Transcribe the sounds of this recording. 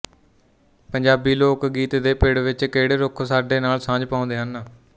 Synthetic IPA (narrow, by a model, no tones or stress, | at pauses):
pəɲd͡ʒaːbiːloːkɡiːt̪d̪eːpɪɽʋɪt͡ʃkeːɽeːɾʊkʰsaːɖeːnaːlsãːd͡ʒpãːnd̪eːɦənː